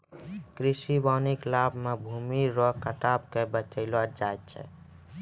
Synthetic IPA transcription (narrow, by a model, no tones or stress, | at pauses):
kɾisibaniklabʱmebʱumiɾɔkəʈabkebət͡ʃəɪlwad͡ʒaet̪̚t͡ʃʰɛ̰